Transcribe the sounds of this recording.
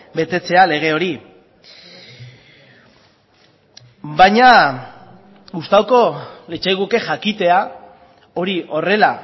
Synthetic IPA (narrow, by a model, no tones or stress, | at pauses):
be̞t̪e̞t͡se̞ale̞ɣ̞e̞o̞ɾi | bajɲa | ɡust̪awko̞let͡ʃajɣuke̞ʝakit̪e̞a | o̞ɾiʔo̞re̞la